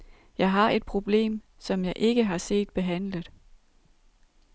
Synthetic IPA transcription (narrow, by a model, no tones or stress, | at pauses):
jɑ̈ɪɦɑ̈ʔe̝d̥̚pʰʁo̝b̥le̝̰ːm | sɒ̽mjɑ̈ɪʔe̝ɡ̥əɦɑ̈se̝̰ːd̥̚b̥e̝ɦæn̰lð̩ˠ